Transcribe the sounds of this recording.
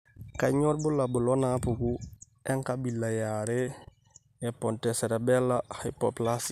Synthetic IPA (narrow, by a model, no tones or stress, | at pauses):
kaɲoɾbulabulonapuku | eŋkabilːajaɾe | eponteseɾebelːahajpoplas